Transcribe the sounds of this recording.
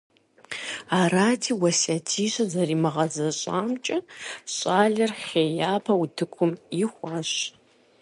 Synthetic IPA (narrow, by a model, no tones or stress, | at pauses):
aːɾaːtʰiːwɐsaːtʰiːɕɐzɐriːmɨʁɐzɐɕʼa̰ːmt͡ʃʼɐɕʼaːɮɐrχʲeːjaːpʰɐwʊtʰɨkʷʰʊmixʷɑːɕ